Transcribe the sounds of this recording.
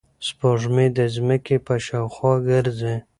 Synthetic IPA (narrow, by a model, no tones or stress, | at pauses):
spoʐmed̪əzməkepaʃawxwɑɡəɾze